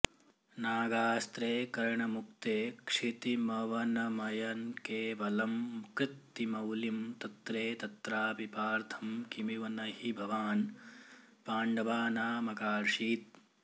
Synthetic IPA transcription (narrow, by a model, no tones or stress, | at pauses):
naːɡaːst̪ɾeːkɐɾɳɐmuk̚t̪eːkʂit̪imɐʋɐnɐmɐjɐnkeːʋɐlɐmkɾɪt̪ːimɐwlimt̪ɐt̪ɾeːt̪ɐt̪ɾaːpipaːɾt̪ʰɐmkimiʋɐnɐhibʱɐʋaːn | paːɳɖɐʋaːnaːmɐkaːɾʂiːt̪̚